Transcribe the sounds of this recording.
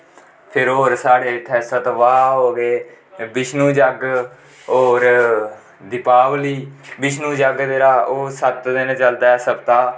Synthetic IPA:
pʰɪɾoːɾsaːɽeːʈʰɛːsət̪ʋaːɦoːɡeː | bɪʃnuːd͡ʒəɡ | oːɾ | d̪ɪpaːʋliːbɪʃnũːd͡ʒəɡd̪eːɾaːoːsət̪d̪ɪnt͡ʃəld̪aːɛːsəbt̪aː

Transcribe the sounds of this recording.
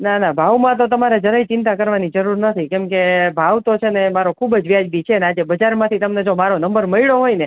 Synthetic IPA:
nanãbʱaʋmãt̪ot̪əmaɾed͡ʒəɾait͡ʃɪnt̪̬akəɾʋanid͡ʒəɾuɾnət̪ʰikɛmkebʱaʋt̪ot͡ʃʰenemaɾokʰubəd͡ʒʋjad͡ʒbit͡ʃʰenead͡ʒebəd͡ʒaɾmãt̪ʰit̪əmned͡ʒomaɾonəmbəɾməiɭoɦojne

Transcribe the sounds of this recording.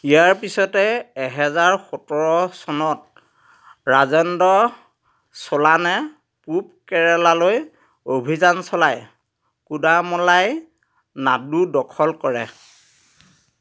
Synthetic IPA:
ijaɹpisɔtɛːɦɛzaɹxɔtɔɹɔsɔnɔt̚ | ɹazɔndɔ | sɔlanɛ | pup̚kɛɹɛlaloj | obʱizansɔlaj | kudamɔlaj | nadudɔkʰɔlkɔɹɛ

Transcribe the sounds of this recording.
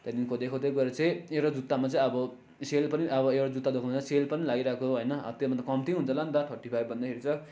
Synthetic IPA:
t̪ʌd̪inkʰod̪ekʰod̪ek̬ueɾʌt͡sʌĩewɾod͡zut̪ːamat͡sʌĩʌbʌ | selpʌniʔʌbʌewɾod͡zut̪ːad̪okʰamt͡saselpʌnilaɡiɾakooɦʌjnʌʌ̰t̪jomʌt̪akʌmt̪ĩɦunt͡sʰʌlant̪aʈʰʌʈipʰajbʌnd̪akʰeɾit͡sʰʌ

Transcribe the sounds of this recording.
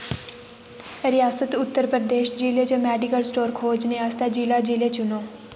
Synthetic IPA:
ɾɪjaːsət̪ʊt̪ːəɾpɾəd̪eːʃd͡ʒiːleːt͡ʃomɛːɖɪkəlsʈoːɾkʰoːd͡ʒneːaːst̪ad͡ʒiːlaːd͡ʒiːleːt͡ʃʊnoː

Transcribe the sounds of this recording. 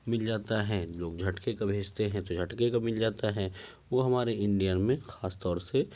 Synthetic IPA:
mɪld͡ʒaːt̪aɦɛ̃loːɡd͡ʒʱɐʈkekabʱeːd͡ʒt̪eɦɛ̃t̪od͡ʒʱɐʈkekamɪld͡ʒaːt̪aɦɛːʋoːɦɐmaːɾeɪ̃ɳɖijanmẽxaːst̪ɔːɾse

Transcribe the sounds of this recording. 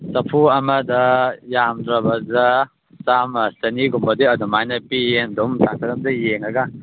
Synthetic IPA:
sɐpʰuɐmɐdɐjamdɾɐbɐdɐ | samɐsɐniɡumbɐdiɐdumajnɐpijendɔmtʰakʰɐɾɐmdɐjeŋɐɡa

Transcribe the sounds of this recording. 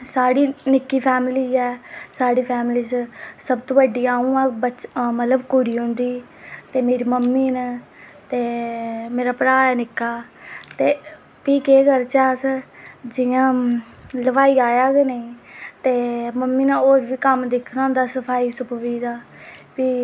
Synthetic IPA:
saːɽiːnɪkːiːpʰɛːmliːd͡ʒɛːsaːɽiːpʰɛːmɪliːssəbt̪õːʋəɖiːaːũːãːbət͡ʃmət̪ləbkʊɾiːɦʊ̃nd̪iː | t̪eːmeːɾiːməmːiːnə | t̪eːmeːɾaːpɾaːɛːnɪkːaːt̪eː | piːkeːɡəɾt͡ʃaːsd͡ʒɪjãː | ləʋaːiːaːjaːɡeːneĩːt̪eːməmːiːnãoːɾʋiːkəmd̪ekʰnaːʊ̃nd̪aːsəpʰaːiːsʊpʋiːd̪aːpiː

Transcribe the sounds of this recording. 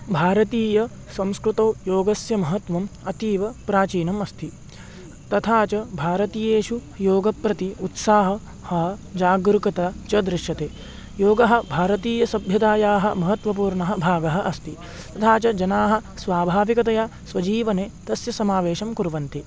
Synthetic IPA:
bʱaːɾɐt̪iːjɐ | sɐ̃mskɾut̪oːjoːɡɐsjɐmɐɦɐt̪ʋɐmɐt̪iːʋɐpɾaːt͡ʃiːnɐmɐst̪ʰi | t̪ɐt̪ʰaːt͡ʃɐbʱaːɾɐt̪iːjeːʃujoːɡɐpɾɐt̪iut̪saːɦɐ̆ | hɐd͡ʒaːɡɾukɐt̪ɐt͡ʃɐd̪ɾɪʃjɐt̪eː | joːɡɐɦɐ̆bʱaːɾɐt̪iːjɐsɐbʱjɐd̪aːjaːɦɐmɐɦɐt̪ʋɐp̬uːɾɳɐɦɐ̆bʱaːɡɐɦɐʔɐst̪ʰi | t̪ɐt̪ʰaːt͡ʃɐd͡ʒɐnaːɦɐ̆sʋaːbʱaːʋikɐt̪ɐjaːsʋɐd͡ʒiːʋɐneːt̪ɐsjɐsɐmaːʋeːʃɐmkuɾʋɐnt̪i

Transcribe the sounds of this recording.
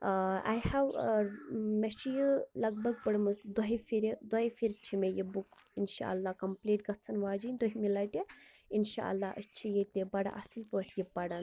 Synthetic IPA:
a̰jhaw | mɐʃijilɐɡ̚bɐɡpəɽmɐsd̪ɐɦifiɾid̪ɐɦifiɾt͡ʃʰimejibukinʃa̰ɐlːaːkɐmpliːʈ̚ɡɐt͡sʰɐnʋaːd͡ʒinʲd̪oɦimilaʈjiinʃa̰ːɐ̰lːaːət͡ʃʰijet̪ʲebɐɽa̰ʔɐsilpəʈʰjipɐɽan

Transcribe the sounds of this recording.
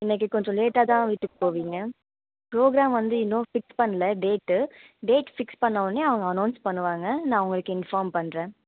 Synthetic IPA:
ɪnːɐk̬ːɯkɔɲd͡ʒɔ̃leːʈːaːt̪ãːʋɪʈːɯkːɯpoːʋiːŋɡɐ | pɾoːɡɾaːmʋɐnd̪ɯɪnːoːfɪkspɐɳːɐlɐɖeːʈː | ɖeːʈfɪkspɐɳːɐʋɐnːeɐʋɐŋɡɐːnɐːnspɐɳːɯʋaːŋɡɐnãːɐʋʊŋɡɐɭɯkːɯɪnfaːɾmpɐɳːɾẽː

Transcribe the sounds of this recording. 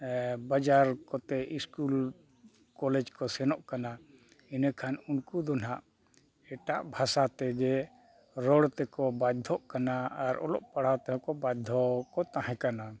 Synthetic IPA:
bad͡ʒaɾkɔt̪ɛiskul | kɔlɛd͡ʒkɔsɛnɔʔkana | inɛkʰanunkud̪ɔn̤aʔ | ɛʈaʔbʱasat̪ɛɡɛ | ɾɔɽt̪ɛkɔbad̪ʱɔʔkanaaɾɔ̰lɔ̰ʔpaɽ̤at̪ɦɔ̃kɔbad̪ʱɔkɔt̪ãɦɛ̃kana

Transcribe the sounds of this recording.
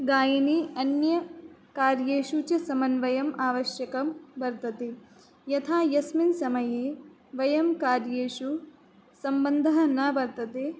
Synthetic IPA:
ɡaːjɐniɐnjɐkaːɾjeːʃut͡ʃɐsɐmɐnʋɐjɐmaːʋɐʃjɐkɐmbɐɾt̪ɐt̪e | jɐt̪ʰaːjɐsminsɐmɐjeː | ʋɐjɐmkaːɾjeːʃu | sɐmbɐnd̪ʱɐɦɐnaːbɐɾt̪ɐt̪e

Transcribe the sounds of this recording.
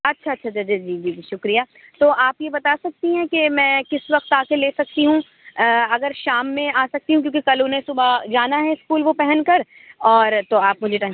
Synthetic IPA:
ɐtːʃʰaɐtːʃʰat͡ʃad͡ʒed͡ʒiːd͡ʒiːd͡ʒiʃʊkɾijaː | t̪oːʔaːpjebɐt̪asɐk̚t̪iɦɛ̃kemɛ̃ːkɪsʋɐqt̪aːkeleːsɐk̚t̪iɦũ | əɐɡəɾʃaːmːẽaːsɐk̚t̪iɦũkjõːkekɐlonẽsʊbad͡ʒaːnaɦɛɪskuːlʋopɛɦɛnkɐɾ | ɔːɾt̪oaːp̚mʊd͡ʒʱeʈaː

